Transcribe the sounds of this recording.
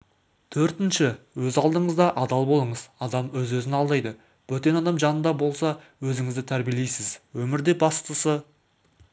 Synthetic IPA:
t̪ʰɵɾt̪ɪnʃɪwɵzɑlˠd̪əɴəzd̪ɑʔɑd̪ɑlˠbo̞lˠəɴəzɑd̪ɑmwɵzwɵzɪnɑlˠd̪ɑjd̪ə | w̥ɵt̪e̞nɑd̪ɑmʒɑnənd̪ɑbo̞lˠsɑ | wɵzɪŋɪzd̪ɪt̪ʰæɾbijelejsɪzwɵmɪɾd̪e̞bɑst̪əsə

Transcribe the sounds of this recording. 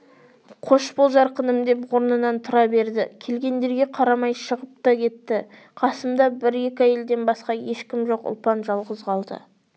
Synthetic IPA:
qʰo̞ʃpozɑɾqənəmd̪e̞pwo̞ɾnənɑnt̪ʰʊɾɑbe̞ɾd̪ɪkʲʰe̞lɡʲe̞nd̪e̞ɾɡʲe̞qʰɑɾɑmɑjʃəʁəp̚t̪ɑkʲʰe̞t̪ːɪ | qʰɑsəmd̪ɑbɪɾe̞kʲæje̞ld̪e̞nbɑsqɑje̞ʃkʲɪmʒo̞qʊ̰lˠpɑnʒɑlˠʁəzʁɑlˠd̪ə̰

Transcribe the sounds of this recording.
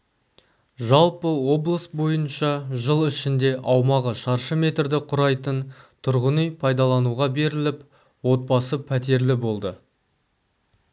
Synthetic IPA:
ʒɑlˠpəwo̞blˠəsbo̞jənʃɑʒəlˠɪʃɪnd̪e̞ʔɑwmɑʁəʃɑɾʃəme̞t̪ɾd̪ɪqʰʊɾɑjt̪ənt̪ʰʊɾʁənijpʰɑjd̪ɑlˠɑnuʁɑbe̞ɾɪlɪp | wo̞t̪̚pɑsəpʰæt̪̬e̞ɾlɪbo̞lˠd̪ə

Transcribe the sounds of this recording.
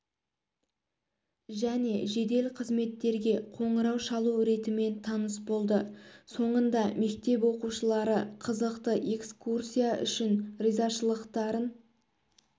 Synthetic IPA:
ʒæne̞ʒe̞d̪e̞lqʰəzme̞t̪ːe̞ɾɡʲe̞qʰo̞ɴəɾɑwʃɑlˠuɾe̞t̪ɪme̞nt̪ʰɑnəsbo̞lˠd̪əso̞ɴənd̪ɑme̞k̚t̪e̞p̬wo̞quʃəlˠɑɾəqʰəzəqt̪əʔe̞kskursʲijaʔʏ̰ʃɪnrijzɑʃəlˠəqt̪ɑɾən

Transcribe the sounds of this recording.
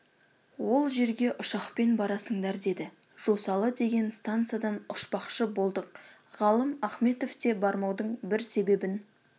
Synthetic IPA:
wo̞lˠʒe̞ɾɡʲe̞ʔʊʃɑqpe̞nbɑɾɑsəɴd̪ɑɾd̪e̞d̪ɪ | ʒ̥o̞sɑlˠəd̪e̞ɡʲe̞nst̪ant̪sɨjad̪ɑnʊʃpɑqʃəbo̞lˠd̪əq̚ʁɑlˠəmɑχme̞t̪o̞ft̪e̞bɑɾmɑwd̪əɴbɪɾse̞be̞bɪn

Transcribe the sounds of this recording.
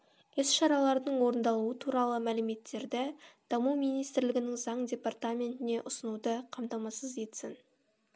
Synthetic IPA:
ɪsʃɑɾɑlˠɑɾd̪əɴwo̞ɾənd̪ɑlˠuət̪ʰuɾɑlˠəmælɪme̞t̪ːe̞ɾd̪ɪd̪̥ɑmumijnijst̪ɪɾlɪɡʲɪnɪŋzɑɴdʲe̞part̪amʲe̞nt̪ɪne̞ʔʊsənud̪əqʰɑmt̪ɑmɑsəze̞t̪sɪn

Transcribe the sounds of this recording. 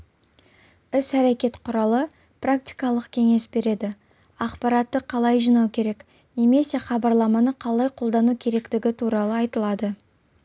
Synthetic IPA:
ɪsæɾekʲe̞t̪qʰʊɾɑlˠə | prak̚t̪i̥jkɑlˠəqkʲʰe̞ŋe̞sbe̞ɾe̞d̪ɪ | ɑqpɑɾɑt̪ːəqʰɑlˠɑjʒinɑwkʲʰe̞ɾe̞k | ne̞me̞se̞χɑbɑɾlˠɑmɑnəqʰɑlˠɑjqʰo̞lˠd̪ɑnukʲʰe̞ɾe̞kt̪ɪɡʲɪt̪ʰuɾɑlˠəɑjt̪əlˠɑd̪ə

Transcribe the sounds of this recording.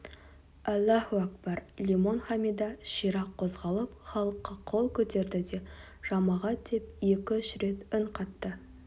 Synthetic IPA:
ælːæhuak̚bɑɾlʲimo̞nχɑmid̪ɑʃijɾɑqʰːo̞zʁɑlˠəpχɑlˠəqːɑqʰolˠkʲʰɵt̪e̞ɾd̪ɪd̪e̞ | ʒ̥ɑmɑʁɑt̪̚d̪e̞pje̞kʲɪʏʃɾe̞t̪ɪɴqʰɑt̪ːə

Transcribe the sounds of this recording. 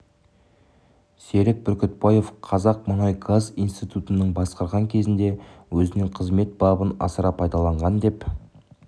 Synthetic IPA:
se̞ɾɪk̚bʏɾkʲʏt̪̚bɑje̞fqʰɑzɑq̚mənɑjɡazijnst̪ijt̪ut̪ənəɴbɑsqɑɾʁɑŋkʲʰe̞zɪnd̪e̞wɵzɪnɪɴqʰəzme̞t̪̚bɑbənɑ̰səɾɑpʰɑjd̪ɑlˠɑɴʁɑnd̪e̞p

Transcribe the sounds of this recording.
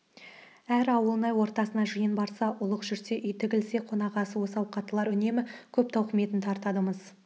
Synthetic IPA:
æɾɑwəlˠənɑjwo̞ɾt̪ɑsənɑʒijənbɑɾsɑʔʊlˠəqʒʏɾse̞ʔʏjt̪ʰɪɡʲɪlse̞qʰo̞nɑʁɑsəwo̞sɑwqʰɑt̪əlˠɑɾʏne̞mɪkʲʰɵp̚t̪ʰɑwqme̞t̪ɪnt̪ʰɑɾt̪ɑd̪əməz

